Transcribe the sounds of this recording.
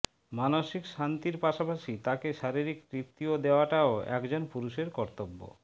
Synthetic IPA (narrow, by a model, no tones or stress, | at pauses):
manoʃikʃant̪iɾpaʃapaʃit̪akeʃaɾiɾikkɾipt̪ːiod̪eoaʈaoɛ̰kd͡ʑonpuɾuʃeɾkɔɾt̪obːo̰